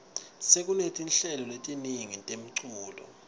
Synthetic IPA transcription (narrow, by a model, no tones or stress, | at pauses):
sek̬ʼunetʰinɬɛlɔletʼiniŋitʼem̩ǀʰuːlɔ̰